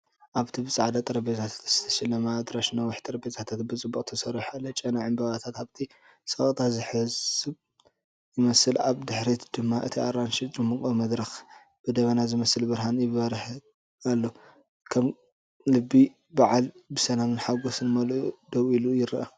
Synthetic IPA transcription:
ʔaβt̪ʰibɨt͡sʼaʕd̪at̪ʼɐɾɐbet̪ʰat̪ʰḁt̪z̥ɨt̪ʰɐ̥ʃɐlɐmad̪ɾaʃnɐwʊħt̪ʼɐɾɐbet̪ʰat̪ʰat̪bɨt͡sʼɨbːukʼt̪ʰɐsɐɾiħalːɐt͡ʃʼɐnaʕɨmbɐβat̪ʰat̪aβt̪ʰi | sɐχʼt̪ʰazɨħɨzɨβ | jɪmɐsɨlaβd̪ɨħɾit̪d̪̥ɨmːaʔɨt̪ʰiaɾanʃit͡ʃʼɨmɨkʼomɐd̪ɾɐx | b̥ɨd̪ɐβɐnazɨmɐsɨlbɨɾɦanjɪβɐɾħ | alːo | kʰɐm | lɨbːi | baʕalbɨsɐnamɨnħaɡosɨnmɐlʔud̪̥ɐwilujɪɾʔa

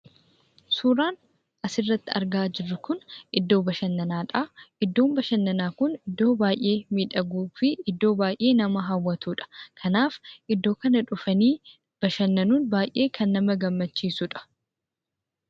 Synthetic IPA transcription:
suːɾaːn | ʔɐsɪrːɐt̪ːɪɐ̰ɾɡaːd͡ʒɪrːʊkʊnʔɪd̪ːo̞ːbɐʃɐnːɐnaːᶑaːʔɪd̪ːo̞ːmbɐʃɐnːɐnaːkʊnɪd̪ːo̞ːbaːjʔe̞ːmiːᶑɐɡuːfɪʔɪd̪ːo̞ːbaːjʔe̞ːnɐmɐɦɐwːɐt̪uːᶑɐ̥kʰɐnaːfʔɪd̪ːo̞ːkɐnɐᶑʊfɐniː | b̥ɐʃɐnːɐnuːnbaːjʔe̞ːkʰɐnːɐmɐɡɐmːɐt͡ʃːiːsʊᶑɐ̥

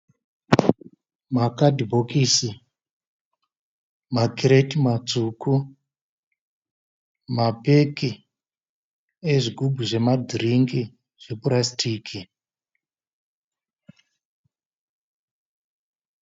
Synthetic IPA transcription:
makadʱibʱokisi | makiɾetimat͡suːku | mape̞ki | eʐiɡʱubʱuʐe̞madʱiriŋɡi | ʐ̥epurasitʰiːkʰi

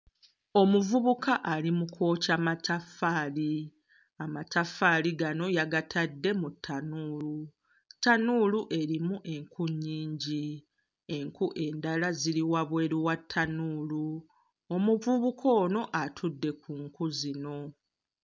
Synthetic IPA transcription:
o̞muvuβukʰaʔalimukʰo̞ːcamatʰafaːli | amatafaːliɡano̞jaɡatʰadːe̞mutʰːanuːlu | tːanuːluʔe̞ɾimuʔe̞ŋkʰuɲːiːɲɟi | e̞ŋkuʔe̞ndalaziɾiwaβwe̞ːɾiwatʰːanuːlu | omuvuβukʰo̞ːno̞ʔatʰudːe̞kuŋkuzino̞

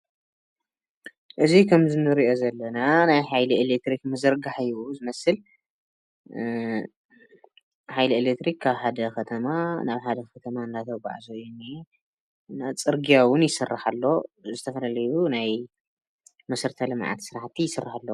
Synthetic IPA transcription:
ʔɨzikʰɐmzɨnːɨɾiʔo̞zɐlːɐnanajħajlielek̚t̪ɾikmɐzɐɾɡaħjuzɨmɐsɨl | ħajlielekt̪ɾikʰːaβħad̪ɐkɐt̪ʰɐmanaβħad̪ɐxɐt̪ʰɐmand̪at̪ʰɐwɡa̰ʕzojunːi | nat͡sʼɨɾɡijawʊnjɪsɨrːaħalːo̞zɨt̪ʰɐfɐlalɐjunaj | mɐsɨɾt̪ʰɐlɨmʕa̰t̪sɨɾaħt̪ʰːijɪsɨrːaħalːo

